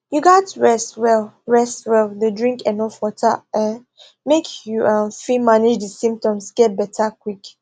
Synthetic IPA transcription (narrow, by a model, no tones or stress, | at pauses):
juɡɔtɹɛstwɛlɹɛstwɛldedɹĩŋkɛnɔfwɔtʰa̰ɛ | mekʰjuʔãmfimaned͡ʒdisĩmp̚tɔ̃msɡ̥ɛt̚bɛtʰakwik